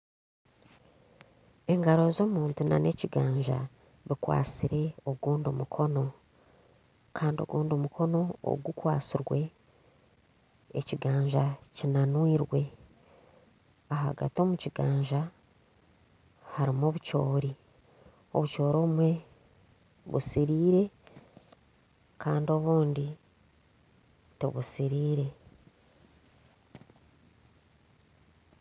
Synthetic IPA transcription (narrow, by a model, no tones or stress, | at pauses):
e̞ŋɡaɾo̞zo̞ːmuːntuna̰ne̞ciɡaːɲʒa̰ | βikwa̰ːt͡siɾe̞oɡuːndomukʰo̞no̞ | kʰaːndio̰ɡuːndomukʰo̞no̞o̰ɡukwa̰ːt͡siɾwe̞ | ciɡaːɲʒacinanwiːɾwe̞ | aɦa̰ɡa̰tio̞ːmuciɡaːɲʒa | haɾimoːβuco̞ːɾi | o̞̰βuco̞ːɾoumwe̞ | βṵsiɾiːɾe̞ | kʰaːndio̞βuːndi | tḛβusiɾiːɾe̞